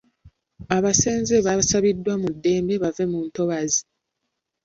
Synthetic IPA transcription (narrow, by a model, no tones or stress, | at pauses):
aβase̞ːnzeβasaβidːwamudːe̞ːmbe̞βave̞munto̞βazi